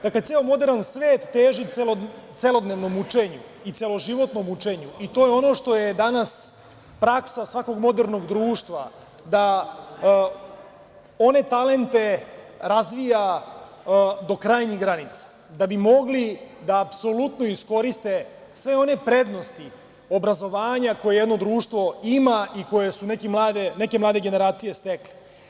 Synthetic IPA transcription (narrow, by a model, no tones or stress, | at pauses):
d̪aklet̪seːomo̞d̪e̞ɾnansʋe̞ːt̪ːeːʒielot̪selo̞d̪neʋno̞mut͡ʃeɲu | it̪selˠo̞ʒiʋo̞t̪no̞mut͡ʃe̞ɲuit̪o̞ːjeo̞no̞ːʃt̪o̞jed̪anas | pɾaksasʋako̞ɡmo̞d̪eɾno̞ɡd̪ɾuːʃt̪ʋa̰ | d̪a | o̞ne̞t̪ale̞nt̪e̞ | ɾazʋija | d̪o̞kɾaːjɲiɡɾanit̪sḁ | d̪abimo̞ɡlid̪aːpso̞lut̪no̞isko̞ɾist̪e̞sʋe̞o̞ne̞pɾe̞d̪no̞st̪i | o̞bɾazo̞ʋaːɲako̞jejed̪nod̪ɾuːʃt̪ʋo̞imaiko̞jesunekimlˠaːd̪ene̞ke̞mlˠaːd̪eɡe̞ne̞ɾaːt̪sije̞st̪ekle̥